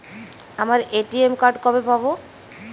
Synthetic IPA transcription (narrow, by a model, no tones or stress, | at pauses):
amaɾeʈiemkaɾɖkɔbepabo